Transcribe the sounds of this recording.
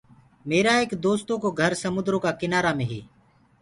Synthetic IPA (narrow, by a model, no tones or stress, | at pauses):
meːɾaːeːkd̪oːst̪õːkoːɡʱəɾsəmʊd̪ɾõːkaːkɪnaːɾaːmẽːɦḛː